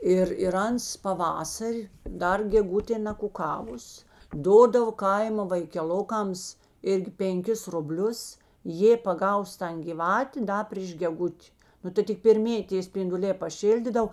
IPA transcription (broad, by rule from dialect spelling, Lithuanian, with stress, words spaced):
ˈɪr ɪr ˈɐns pɐˈʋɑːsɐrʲ ˈdɐr ɡʲɛˈɡʊtʲeː nɐkʊˈkɑːʋʊs ˈdoːdɐʋoː ˈkɐɪmoː ʋɐɪkʲɛˈlˠoːkɐms ˈɪrʲɡʲɪ pʲɛŋʲˈkʲɪs rʊˈbʲlʲʊs ˈjeː pɐˈɡɐʊs ˈtɐn ɡʲɪˈʋɑːtʲeː ˈdɐ pʲrʲiːʃ ɡʲɛˈɡʊtʲ ˈnʊ tɐɪ tʲɪk pʲɛrʲˈmʲeːjɪ tʲeː sʲpʲɪndʊˈlʲeː pɐˈʃʲɪlʲdʲiːdɐw